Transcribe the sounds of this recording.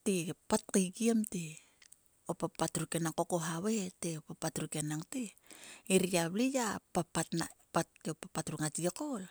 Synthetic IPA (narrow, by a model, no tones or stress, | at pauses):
tipat̚kiɡiamte | opapatɾuke̞naŋko̞ko̞ɦaweteopapatɾuke̞naŋte | iɾiablijapapatna̰patːeopapatɾuŋat͡ʃiekol